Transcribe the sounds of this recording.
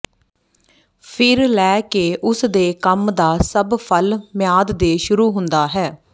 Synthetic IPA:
pʰɪɾlɛːkeːʔʊsd̪eːkəmd̪aːsəbpʰəlmɪjaːd̪d̪eːʃʊɾuːɦʊnd̪aːɦɛː

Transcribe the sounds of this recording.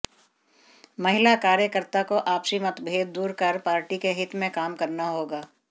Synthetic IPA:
mɐɦɪlakaːɾjəkəɾt̪akoʔaːpsimɐt̪bʱeːd̪d̪uːɾkɐɾpaːɾʈikeɦɪt̪mẽkaːmkɐɾnaɦoːɡaː

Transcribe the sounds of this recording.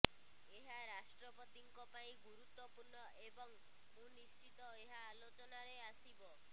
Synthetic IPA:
eɦaɾasʈɾɔpɔt̪iŋkɔpaĩɡuɾut̪wɔpuɾɳɔʔebɔŋ | onist͡ʃit̪ɔeɦaːlot͡ʃɔnaɾeasibɔ

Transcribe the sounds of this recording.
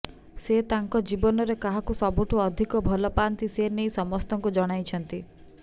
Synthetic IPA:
set̪aŋkɔd͡ʒibɔnɔɾekaɦakusɔbuʈʰuɔd̪ʱikɔbʱɔlɔpant̪isenejsɔmɔst̪ɔŋkud͡ʒɔɽ̃ajt͡ʃʰɔnt̪i

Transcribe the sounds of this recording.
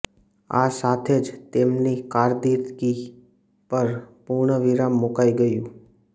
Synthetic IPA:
a̰sat̪ʰed͡ʒt̪emnikaɾd̪it̪ɡi | pəɾpuɾɳəʋiɾamːukaiɡəjũ

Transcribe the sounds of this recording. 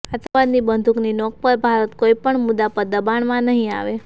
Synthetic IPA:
ət̪əʋad̪nibənd̪ʱukninɔk̚pəɾbʱaɾət̪koipəɳmud̪apəəbaɳmãnəɦĩa̰ʋe

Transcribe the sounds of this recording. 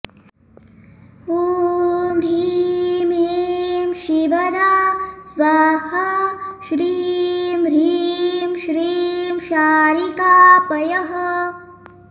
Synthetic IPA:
uːmɾiːmiːmʃibɐd̪aːsʋaːhɐʃɾiːmɾiːmʃɾiːmʃaːɾikaːpɐjɐɦɐ

